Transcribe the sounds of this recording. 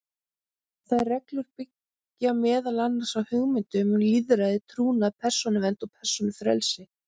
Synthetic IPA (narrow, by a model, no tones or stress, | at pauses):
θaðrɛklʏɾ̥pɪcː | amɛːðalanːaɾ̥sawhʏɣmɪnt̪ʏmʏnliːðɾaðɪt̪ʰɾuːnaðpʰɛr̥sɔnɪvɛnt̪ɔpʰɛr̥sɔnɪfɾɛ̰lsɪ